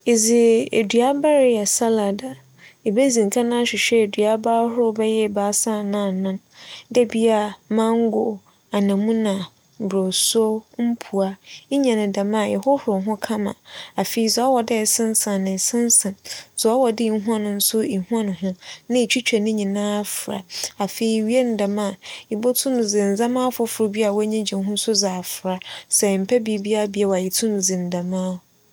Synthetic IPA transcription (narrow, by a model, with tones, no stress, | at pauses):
ɪ˨zɪ˨ḛ˨dɥa˦ba˦ɾɪ˦a˨sa˦la˨da˨ | e˨be˦zĩ˨ŋ̩˨kʰa˦nã˦ɕᶣɪ˨ɕᶣɛ˦˨dɥa˦baː˦hʊ˦ɾʊ˦bɛ˦jɛ˦˨baː˨˦sa˦˨nã˦˨nã˦n | dɛ˦bi˦a˦˨mã˦ŋ˦ɡʊ˨ | a˨nã˨mũ˦nã˨ | bɾo˨so˦m̩˦pʰu˨a˨i˦ɲã˨nɪ̃˨dã˨mã˦˨ɛ̰˨hʊ˦hʊ˨ɾʊ˨ɦʊ̃˦kʰã˦mã̰˨a˨fe˨i˦sɛ˨˦ɔ˦wɔ˨dɪ˦˨sɪ̃˦n˦sã˨nɪ̃˨sɪ̃˦n˦sã˨sɔ˨ɔ˦wɔ˨dɪ˦i˨ɦũ˦a˦nʊ̃˨n̩˦sʊ˦i˨ɦu˦a˦nʊ̃˨ɦʊ̃˦nɪ̃˦˨t͡ɕʰᶣi˦t͡ɕᶣɛ˨nɪ̃˦ɲĩ˨nãː˦fɾa̰˨a˨fe˨i˦˨ɥi˦e˦n̩˨dã˨mã˦˨i˨bɔ˦tʰʊ̃˦nʊ̃˨d͡zɪ̃˨n̩˨zã˦mãː˦fʊ˦fʊ˨ɾʊ˨˦bi˦a˨wɔ˦ɲĩ˦d͡ʑĩ˨˦ɦʊ̃˦n̩˦sʊ˦zaː˨fɾa˨sɛ˨m̩˨pʰɛ˦bi˨˦bi˦a˦bi˨˦a˦wa˨ji˨tʰʊ̃˦nʊ̃˨zɪ̃˨n̩˨dã˨mãː˦